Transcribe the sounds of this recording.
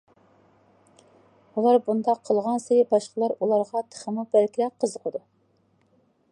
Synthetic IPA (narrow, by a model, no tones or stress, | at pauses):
ulˠɑɾbund̪ɑqʰːəlˠʁɑnsejɪbɑʃqəlˠɑɾulˠɑɾʁɑt̪ʰə̥χəmubælkʲiɾɛq̚qʰːəzəqʰəd̪u